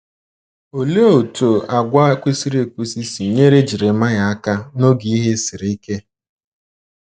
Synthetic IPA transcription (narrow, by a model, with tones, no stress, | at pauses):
o˨le˦o˨to˨a˨ɡʷa˦kʷe˦si˦ɾe˨kʷu˦si˦si˨ɲe˦ɾe˦d͡ʒi˨ɾe˨ma˦ɲa˨a˦ka˦no˦ɡi˨i˦ɦe˦si˨ɾe˨i˦ke˦